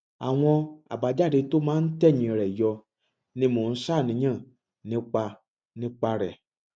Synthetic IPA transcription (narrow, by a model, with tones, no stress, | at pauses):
a̰˨w̃ɔ̃˧a̰˨ba˨d͡ʒa˦˨de˨˧to˦mãː˦n̩˦tɛ˦˨ɲĩ˨ɾɛ˨jɔ˧ | nĩ˦mõ˨n̩˦sa˦˨nĩ˨˦ɲã˦˨ | nĩ˦k͡pa˧ | nĩ˦k͡pa˧ɾɛ̰˨